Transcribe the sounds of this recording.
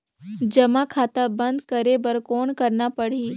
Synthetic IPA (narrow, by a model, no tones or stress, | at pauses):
d͡ʒɐmakʰaːt̪abə̃nd̪kəɾebəɾkoːnkɐɾnapəɽ̤iː